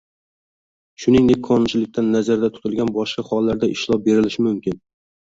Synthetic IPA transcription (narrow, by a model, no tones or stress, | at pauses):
ʃʊnɪŋd̪e̞k̚ʲqʰɒnɪnt͡ʃʰɪlɪk̚ʲt̪ʰanːazaɾd̪at̪ʰʊ̥t̪ʰɪlˠɡʲanbɒʃqɑχɒlˠːaɾd̪aʔɪʃlˠɒp̚be̞ɾɪlɪʃɪmʊmkʲɪn